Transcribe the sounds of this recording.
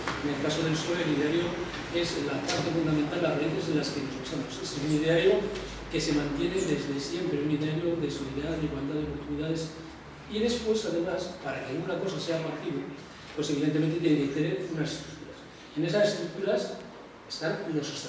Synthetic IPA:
ene̞lkaso̞ð̞e̞lso̞leliðeaɾjo | e̞zlapaɾt̪e̞fund̪ament̪alarreθe̞zðelaskenozβusamo̞sessunið̞eaɾjo̞ | ke̞se̞mãnt̪je̞ne̞ðe̞zðe̞sje̞mpɾeuniðeaɾjo̞ðe̞soliðaðeiɣwald̪aðeo̞po̞ɾt̪uniðað̞e̞s | iðe̞spwe̞saðe̞maspaɾakealɣunako̞sase̞afakt̪iβe | pwe̞se̞β̞iðent̪e̞ment̪e̞t̪eneket̪eneɾunasest̪ɾukt̪uɾas | e̞ne̞sase̞st̪ɾuk̚t̪uɾas | est̪aɾlosost̪a

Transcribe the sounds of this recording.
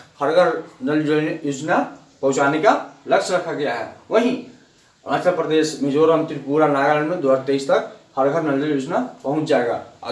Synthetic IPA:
həɾɡʱəɾnəld͡ʒəljuːd͡ʒna | pɐ̃ʊt͡ʃaːnekalɐkʃɾɐkʰaɡɐjaɦɛ̰ʋəɦĩ | mãːt̪ɾəpɾəd̪eːʃmɪd͡ʒoːɾəmt̪iɾpuːɾanaːɡəɾəɽ̃mẽd̪waɾt̪eːst̪ɐkhəɾɡʱəɾnəld͡ʒəljuːd͡ʒnapɐɦʊ̃t͡ʃd͡ʒaːeɡa̰ː

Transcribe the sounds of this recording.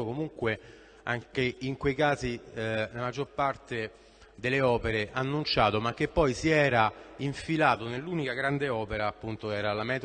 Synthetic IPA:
okomuŋkwe | a̰ŋkeiŋkwejkaːzilamad͡ʒːorpart̪e | d̪elːeɔːpeɾeʔanːunt͡ʃaːt̪omakːepːɔjsiɛːɾaiɱfilaːt̪onelːuːnikaɡɾand̪eɔːpeɾaːpːunt̪oɛːɾalamɛːt̪

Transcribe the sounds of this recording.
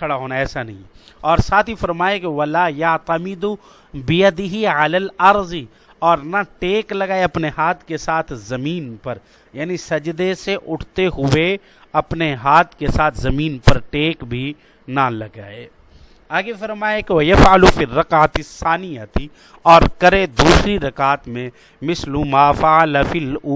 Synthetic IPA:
kʰɐɽaɦoːnaɛːsanɐɦĩɔːɾsaːt̪ʰifɐɾmaːjekeʋɐlaːjat̪ɐmɪd̪u | bɪjɐd̪ɪɦiʕɐlaːlɐɾz | ɔːɾnaʈeːklɐɡaːeɐpnehaːt̪ʰkesaːt̪ʰzɐmiːnpɐɾ | jaːnisɐd͡ʒd̪eseʔʊʈʰt̪eɦʊwe | ɐpneɦaːt̪ʰkesaːt̪ʰzɐmiːnpɐɾʈeːkbʱi | nalɐɡaːeː | aːɡefɐɾmaːjekewɐjɐfʕalufirːɐkaːat̪ɪsːaːnɪjat̪i | ɔːɾkɐɾed̪uːsɾiɾɐkaːt̪mẽ | mɪslumaːfalfilː

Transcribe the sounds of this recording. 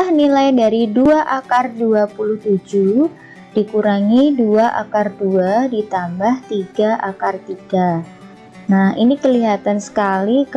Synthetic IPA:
ahnilajdaɾiduaʔakarduapuluht̪ud͡ʒu | d̥ikuɾaŋiduaʔa̰karduadit̪ambaht̪iɡaʔakart̪iɡa | nahḭnikəliɦat̪ansə̥kalik

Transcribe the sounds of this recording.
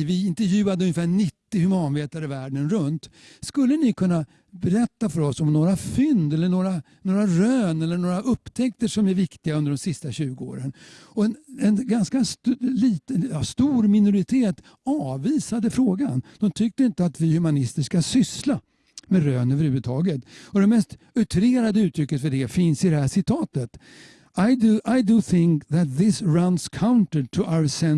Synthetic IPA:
vɪɪnt̪ɛɾjʉ̟ːad̪əɵnjəfæːɳɪt̪ːɪhɵmɑːnveːt̪aɾəvæːɖənɾɵnt̪ | skɵlːənɪkʰɵnːa | bɛɾɛt̪ːafœɾɔsɔmnoːɾafʏnd̪ɛlːəɳoːɾa | noːɾaɾøːnɛlːəɳoːɾaʔɵpːt̪ʰɛkt̪əʂɔmæɾvɪkt̪ɪɡaɵnd̪əɖɔmsɪst̪aɕʉ̟ːɡəo̰ːɾənɔɛnɛnɡanskasliːt̪əjɑst̪uːɾmɪnʊɾɪt̪ʰeːt̪ | ɑːviːsad̪əfɾoːɡa̰nd̪̥ɔmt̪ʰʏk̚t̪əɪnt̪əat̪vɪhʉmanɪst̪əʂkasʏsla | mɛɾøːnøvəɾhʉ̟ːvəd̪t̪ʰɑːɡət̪ɔd̪ɛmɛst̪ | œʈ̪ʰɾeːɾad̪əʉ̟ːt̪ʰɾʏkːət̪fœɖɛfɪnsɪd̪ɛhæʂɪt̪ʰɑːt̪ət̪ | aɪd̪ʔaɪd̪uθɪŋkðæt̪̚ðɪsɹanskʰaʊnt̪ətʰʊʔawəsɛn

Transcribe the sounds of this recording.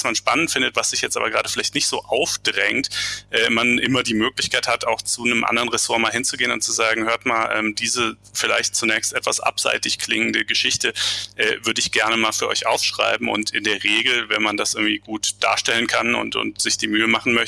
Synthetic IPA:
smanʃpanəntfɪndətv̥asz̥ɪçjɛt͡stʔaːbɐɡʁaːdəfɪlaɪçtnɪçtz̥oːʔaʊfd̥ʁɛŋtʔɛːmanʔɪmɐdiːmøːklɪçkʰaɪthataʊxt͡sunəmʔa̰ndɐʁənʁɛsoːɐmaːlhɪnt͡suɡeːənʊnt̚t͡suzaːɡŋ̩høːɐtmaːlʔɛ̰ːmd̥iːzə | fɪla̰ɪçt̚t͡sunɛːçstʔɛtv̥a̰sʔa̰pz̥a̰ɪtɪçkʰl̥ɪŋən̩dəɡəʃɪçtəʔɛ̰ːvʏɐdəɪçɡ̥ɛɐnəmaːlfyːɐʔɔ̰ʏçʔa̰ʊfʃʁ̥a̰ɪbm̩ʊ̰ntɪndeːɐʁeːɡl̩vɛnmandasʔɪɐɡŋ̩tiːɡuːtd̥a̰ːɐʃtɛlənkʰanʊ̰ntʊ̰ntz̥ɪçd̥iːmyːəmaχn̩mœç

